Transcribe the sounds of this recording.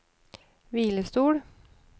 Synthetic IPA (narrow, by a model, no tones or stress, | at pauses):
ʋiːləst̪uːɽ